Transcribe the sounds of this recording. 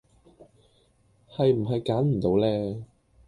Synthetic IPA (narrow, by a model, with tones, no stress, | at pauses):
hɐ˨jm̩˨˩ɦɐ˨jkaː˨˥nm̩˨˩t̪o˨˧wlɛː˥